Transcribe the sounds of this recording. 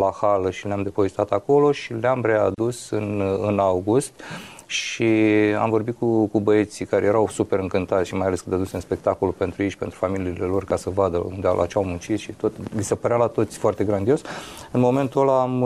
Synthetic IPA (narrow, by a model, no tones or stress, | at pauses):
lahaləʃileamd̪e̞po̞vest̪at̪ako̞lo̞ʃileamre̞ad̪usɨnɨnawɡust̪ | ʃia̰mvo̞rbit̪̚kukubəet̪sikaɾeje̞ɾawsupe̞ɾɨŋkɨnt̪at̪sʲʃimajaleskɨnd̪ad̪useɨnspe̞k̚t̪ako̞lupe̞nt̪ɾujeʃpe̞nt̪ɾufamiliːlelo̞rkasəvad̪əṵnd̪ḛlʔa̰t͡ʃawmunt͡ʃit̪ʃit̪o̞t̪lisepəɾealat̪o̞t̪sʲfoart̪e̞ɡɾand̪io̞sɨnmo̞me̞nt̪uolam